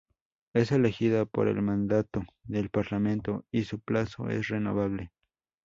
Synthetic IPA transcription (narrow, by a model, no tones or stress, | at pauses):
e̞selexiðapo̰ɾḛlmand̪at̪oðelpaɾlamẽ̞nt̪oisuplaso̰ḛsreno̰βaβle